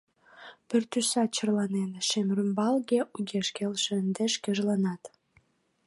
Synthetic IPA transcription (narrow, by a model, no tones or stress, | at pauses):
pyrt̪ysɑt͡ɕə̆rlɑnenʃemrymbɑlɡʲeʔuɡʲeʃkʲelʃĕənd̪eʃkʲĕʒlɑnɑt̪